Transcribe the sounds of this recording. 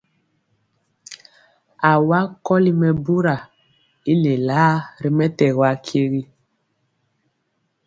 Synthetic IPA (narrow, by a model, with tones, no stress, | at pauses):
a˨wa˦kɔ˦li˦mɛ˨bu˦ɾa˨ | i˦le˨laː˦ɾi˦mɛ˦tɛ˨ɣwa˦kʰe˦ɣi˦